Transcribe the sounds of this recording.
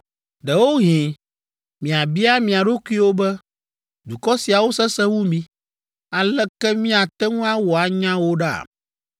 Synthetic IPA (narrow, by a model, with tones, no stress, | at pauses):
ɖɛ˨wo˦ɦĩ˨ | mĩ˨a˨bi˦a˦mĩ˨a˨ɖo˦kʷu˦i˦wo˦bɛ˦ | d̪u˨kɔ˦si˨a˨wo˦sɛ˦sɛ˦wu˦mĩ˨ | a˨lɛ˦kɛ˦mĩ˦a˨t̪ɛ˦ŋũ˦a˦wɔ˨a˨ɲã˦wo˦ɖa̰˦˨